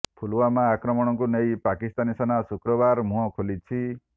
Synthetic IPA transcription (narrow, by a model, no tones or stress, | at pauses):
pʰuluwamãːkɾɔmɔɽ̃ɔŋkunejpakist̪anisanasukɾɔbaɾmũɦɔ̃kʰolit͡ʃʰi